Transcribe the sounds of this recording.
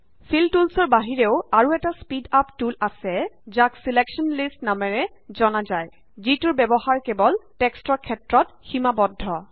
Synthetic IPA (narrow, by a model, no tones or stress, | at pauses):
fʰiltulsɔɹbaɦiɹeʊaɹuɛtaspidaptulasɛzaksilekʃɔnlistnamɛɹɛzɔnazaj | zitʊɹbɛbɔhaɹkɛbɔltɛkstɹɔkʰɛtɹɔtximabɔdʱːɔ